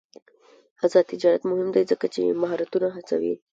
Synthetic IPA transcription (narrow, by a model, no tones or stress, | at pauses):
azɑd̪̚t̪ɪd͡ʒɑɾat̪mʊɦɪmd̪ajzəkat͡ʃḛmaɦɑɾat̪unaɦat͡sa̰wḭ